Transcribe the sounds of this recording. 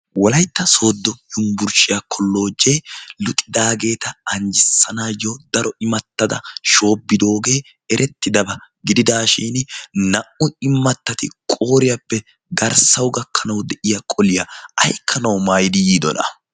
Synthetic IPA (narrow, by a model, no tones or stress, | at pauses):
wɔlɐjt̪ːɐso̞ːd̪ːɔjʊmbʊɾʃɪjɐkʰɔlːo̞ːd͡ʒːe̞ːlʊt̪ʼɪd̪aːɡe̞ːt̪ɐːɲd͡ʒɪsːɐnaːjɔd̪ɐɾɔɪmɐt̪ːɐd̪ɐ̰ʃo̞ːbːɪd̪o̞ːɡe̞ː | ɛɾʔɛt̪ːɪd̪ɐbɐ | ɡɪd̪ɪd̪aːʃiːnnɐʔʊɪmːɐt̪ːɐt̪ɪkʼo̞ːɾɪjɐpːɛ | ɡɐɾsɐwɡɐkʰːɐnɐwd̪ɛʔɪjɐkʼɔlɪjɐɐ̰jkʰːɐnɐwmaːjɪd̪ɪjiːd̪ɔ̰nɐ̰